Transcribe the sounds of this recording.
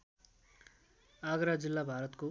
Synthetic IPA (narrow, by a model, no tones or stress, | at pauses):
aɡɾad͡zilːabʱaɾʌt̪ko